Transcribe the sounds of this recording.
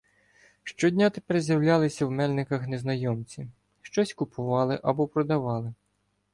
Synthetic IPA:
ʃt͡ʃɔdʲnʲat̪epɛrzʲjɐwlʲalˠɪsʲɐwmɛlʲnɪkɐxneznɐjɔmt͡sʲi | ʃt͡ʃɔsʲkʊpʰʊʋɑlˠɪʔɐbɔpɾɔd̪ɐʋɑlˠɪ

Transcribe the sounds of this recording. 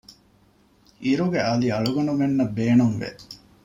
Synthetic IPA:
ʔiɾuɡeɐliɐɭuɡɐnumenːɐbːeːnuŋʋḛ

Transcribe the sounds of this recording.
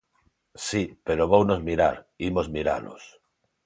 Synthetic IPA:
sipeɾoβownozmiɾa̰ɾimozmiɾa̰lo̰s

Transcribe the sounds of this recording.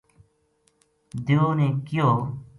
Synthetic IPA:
d̪joːnẽːkɪjoː

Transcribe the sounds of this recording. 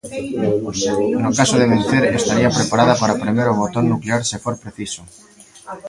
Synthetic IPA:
nokasoðeβenθeɾest̪aɾiapɾepaɾað̞apaɾapɾemeɾoβot̪oɾnukleaɾsefoɾpɾeθiso

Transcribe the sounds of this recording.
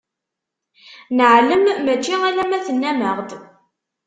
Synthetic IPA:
nəʕləmːæt͡ʃːiælæmæθənːæməʁd̪

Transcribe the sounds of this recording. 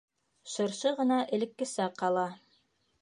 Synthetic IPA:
ʃɤ̆ɾʃɤʁɤ̆nɑʔɘ̆lɘ̆kːɘ̆sæqːɑlˠɑ

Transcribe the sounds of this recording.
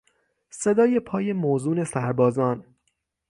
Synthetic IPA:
se̞d̪ɒːje̞pʰɒːje̞moːzuːne̞sæɾbɒːzɒːn

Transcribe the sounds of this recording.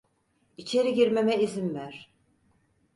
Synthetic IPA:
it͡ʃʰe̞ɾiɟiɾmemɛizimvæɾ̥

